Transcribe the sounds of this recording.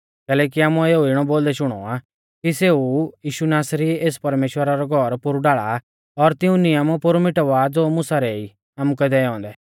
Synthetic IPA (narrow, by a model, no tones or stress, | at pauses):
kɛːlɛːk̬iaːmueːuiɽ̃ɔboːld̪ɛʃʊɽ̃ɔ̰a | kiseːujiːʃunaːsɾieːspɐɾmeːʃwəɾaɾɔɡʱɔɾpʊɾɖaːɭa̰ | ɔɾt̪ɪũnɪamupʊɾmɪʈaʋaːd͡zoːmʊsaɾɛi | aːmukɛd̪ɛɔ̃ːnd̪ɛ